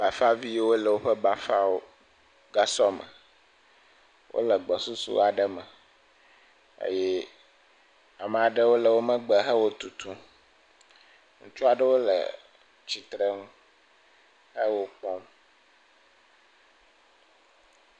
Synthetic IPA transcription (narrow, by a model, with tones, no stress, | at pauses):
ba˨fa˦vi˦wo˦lə˨wo˦ɸə˦ba˨fa˦wo˦ | ɡa˦sɔ˦mə̰˨ | wʔo̰˦lə˨ɡ͡bɔ˨su˦sṵ˦a˨ɖə˦mə˨ | ḛ˦jɛ˦ | a˨mɛ̃˨a˨ɖə˦wo˦lə˨wo˦mə̃˦ɡ͡bə˨ɦə˦wo˦t̪u˨t̪u˦ | ŋũ˦t͡ʃɔ˦a˨ɖə˦wo˦lə̰˨ | t͡ɕi˨t̪ɾə˦ŋ̃˦ | hə˦wo˦k͡pɔ˦m